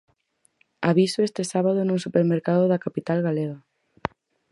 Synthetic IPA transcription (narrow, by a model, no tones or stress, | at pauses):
aβisoest̪ɪsaβaðʊnuŋsupeɾmeɾkaðʊðɐkapit̪alɣaleɣa